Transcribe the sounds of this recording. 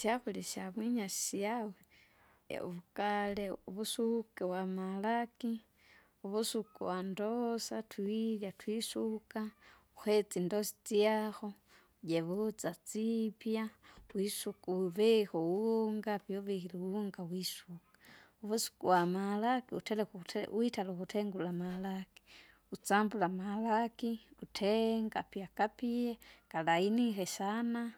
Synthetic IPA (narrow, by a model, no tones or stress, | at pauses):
sjaxuliʃamwiɲaʃi̥siawḛ | ṵβukaleuβusukewamalaki | uβusukuwandosatwiljatwisuka | xwet͡sindosi̥t͡sijaxo̞ | jeβut͡sat͡sipjawisukuβexuwuŋɡapjoβexiliwuŋɡawisukḁuβusu̥kuwamalakiṵtelexuwitaloxuteŋɡulamalaki̥ | ut͡sambulamalakiutʰeŋɡapjakapijekalainixeʃana